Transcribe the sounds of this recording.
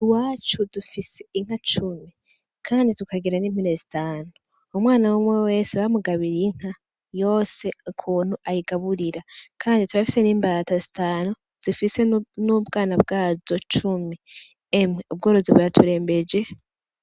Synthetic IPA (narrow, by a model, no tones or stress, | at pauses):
waːt͡ʃudufiseiŋ̥at͡ʃumi | kʰaːnditukaɡiɾaniminezitaːnu | umwaːnawomwewe̞ːseβamuɡaβiɾiŋ̥ha | jo̞ːse̞ukʰuːn̥huʔajiɡaβuɾiɾakʰaːndituβafi̥se̞niːmbatazitaːnu | z̥ifisenubɡaːnab̚ɡaːzo̞t͡ʃumi | emŋeub̚ɡoːɾo̞zeβujatʰuɾe̞ːmbe̞d͡ʒe̞